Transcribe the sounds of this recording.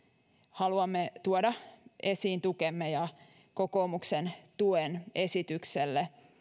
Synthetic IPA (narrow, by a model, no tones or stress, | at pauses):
hɑluɑmːet̪uodɑesiːnt̪ukemːejɑ | kokoːmuksent̪uene̞sit̪ykselːe